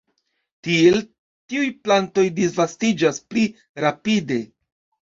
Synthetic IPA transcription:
tie̞l | tiujplanto̞jdisvastid͡ʒaspli | ɾapide̞

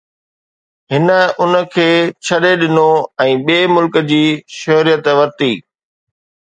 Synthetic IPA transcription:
ɦɪnə̆ʊnə̆kʰeːt͡ɕʰɐɗeɗɪnoɛ̃ːɓeːmʊlkəd͡ʑiːʃɐɦɾijət̪ʋɐɾt̪iː

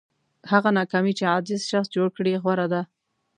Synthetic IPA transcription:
haɣanɑkɑmit͡ʃead͡ʒɪzʃaxsd͡ʒoɽkɽeɣwaɾad̪a

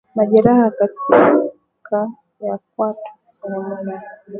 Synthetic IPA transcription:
maʄɛɾahakatʰi | kʰa | jak̚watʰu̥ | zanamuna

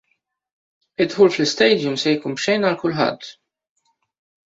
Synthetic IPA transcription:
ɪt̪ħuːlflɪst̪ɛjd̪jʊmsɛjkuːnpʃɛjnɐlkʊlħɐ̰t̪ː

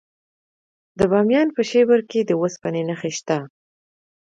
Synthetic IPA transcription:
d̪əbɑmjɑnpəʃebəɾked̪əwəspanenaxeʃt̪a

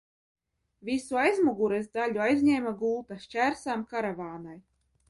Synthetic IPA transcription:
visuajzmuɡuɾɛzd̪alʲuajzʲɲʲɛjmaɡuːt̪aʃt͡ʃʲæɾsamkaɾavaːnaj

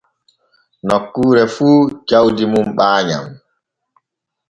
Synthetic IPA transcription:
nɔkːuːɾɛfuːd͡ʒawdimumɓaːɲa̰m

